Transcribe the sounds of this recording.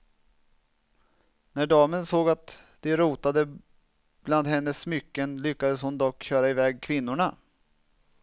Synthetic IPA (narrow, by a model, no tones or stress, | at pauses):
næɖɑːmənsoːɡat̪d̪̥ɛɾuːt̪ad̪ə | b̥land̪hɛnːəsːmʏkːənlʏkːad̪əshʊnd̪ɔkːɕœːɾaɪvɛːɡkʰvɪnːʊɳa